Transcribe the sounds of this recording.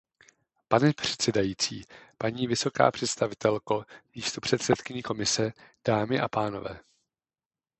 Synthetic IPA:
panɛpr̝̥ɛ̥t̪sɛdajiːt͡siːpaɲiːvɪso̞ka̰ːpr̝̥ɛt̪st̪avɪt̪ɛlkomiːst̪opr̝̥ɛt̪sɛt̪kɪɲɛko̞mɪsɛd̥aːmɪʔapaːno̞̰vɛ̰ː

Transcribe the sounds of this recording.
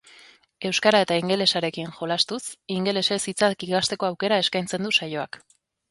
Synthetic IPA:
e̞wskaɾae̞t̪aiŋɡe̞le̞saɾe̞kiŋxo̞last̪usiŋɡe̞le̞se̞sit͡sat̪kiɣast̪e̞ko̞awke̞ɾae̞skajnt͡se̞nd̪usajo̞ak

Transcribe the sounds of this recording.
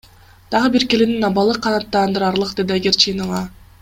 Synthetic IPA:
d̪̥ɑʁɯbiɾkelininɑbɑlˠɯqʰːɑnɑt̪ːɑːnd̪ɯɾɑɾlˠɯqd̪e̞d̪iɑɡʲeɾt͡ʃʰɯjnɯlɑ

